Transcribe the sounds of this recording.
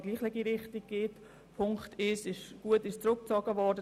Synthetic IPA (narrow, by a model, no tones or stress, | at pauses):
ɡliːχlɪɡiɾɪχtiɡ̚ɡ̥ɪt | pʰʊŋkχtɪʃɪʃɡ̥uətɪʃt͡sɾʊk̚t͡sɔɡəʋɔɾdə